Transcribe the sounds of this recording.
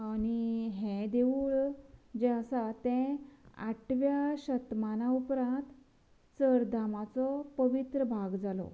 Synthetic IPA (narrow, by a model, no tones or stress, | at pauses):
aniɦɛ̃d̪eʋuːɾd͡ʑasat̪ɛ̃a̰ʈʰʋjaɕət̪manaupɾãnt̪ | səɾd̪amat͡sɔpəʋit̪ɾəbʱaɡd͡zalɔ̰